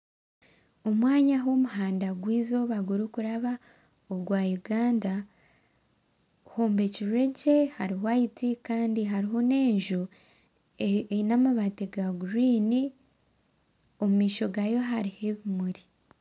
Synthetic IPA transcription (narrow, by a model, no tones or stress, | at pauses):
o̞mwaːɲaɦomuɦaːndaɡwiːzo̞βaɡuɾukuɾaβa | oɡwaːjuɡaːnda | hoːmbe̞ciɾe̞ce̞haɾiwajitikaːndiɦaɾiɦo̞ne̞ːɲʒu | enamaβateɡaɡuɾiːni | o̞mumiːʃo̞ɡajo̞ɦaɾiheβimuɾi